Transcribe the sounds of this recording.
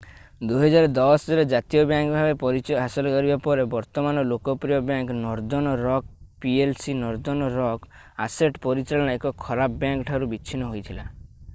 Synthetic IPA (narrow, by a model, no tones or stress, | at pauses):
d̪uɦɔd͡ʒaɾɔd̪ɔsɔɾed͡ʒat̪ijɔbjaŋkɔbʱabepɔɾit͡ʃɔɦasɔlɔkɔɾibapɔɾebɔɾt̪ɔmanɔlokɔpɾijɔbjaŋkɔnɔɾd͡ʒɔnɔɾɔk̚pielsinɔɾd͡ʒɔnɔɾɔk | aseʈpɔɾit͡ʃaɭɔɽ̃aekɔkʰɔɾapɔbjaŋkʈʰaɾubit͡ʃʰinɔɦojt̪ʰila